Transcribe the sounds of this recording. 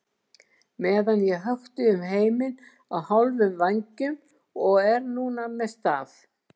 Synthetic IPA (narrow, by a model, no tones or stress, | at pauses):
mɛːðanjɛɣɦœxt̪ʏʏmɦeːjmɪn | awhawlvʏmvaɲcʏm | ɔɣɛɾnuːnamɛðst̪aːf